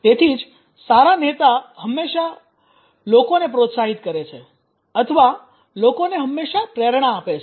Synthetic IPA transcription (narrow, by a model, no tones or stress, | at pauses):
t̪et̪ʰid͡ʒ | saɾanet̪aɦəmːeʃa | lokonep̬ɾot̪saɦit̪kəɾet͡ʃʰe | ət̪ʰəʋa | lokoneɦəmːeʃapɾeɾɳ̃aːpet͡ʃʰ